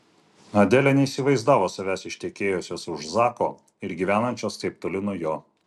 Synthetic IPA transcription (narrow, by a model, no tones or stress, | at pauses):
ɐd̪ʲɛlʲɛnʲɛiːsʲɪʋɐɪzd̪ɑːʋoːsɐʋʲæːsɪʃʲt̪ʲɛkʲeːjosʲoːsʊʃzɑːkoː | ɪɾɡʲiʋʲæːnɐnʲt͡ʃʲoːskɐɪp̚t̪oːlʲɪnʊjoː